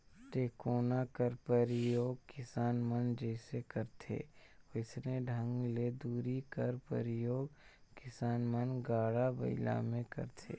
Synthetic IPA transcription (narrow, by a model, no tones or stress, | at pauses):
ʈeːkoːnakəɾpəɾɪjoːɡkɪsaːnmənd͡ʒɛːsekəɾt̪ʰḛːɪsneɖʱə̃ŋɡled̪uːɾikəɾpə̰ɾɪjoːɡ̚kɪsaːnmənɡaːɽabə̰ɪla̰mẽkə̰ɾt̪ʰḛː